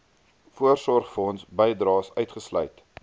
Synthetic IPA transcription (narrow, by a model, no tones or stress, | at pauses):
fuərsɔrχfəɔnsbəjdrɑːsœɥtχəslœ̰jt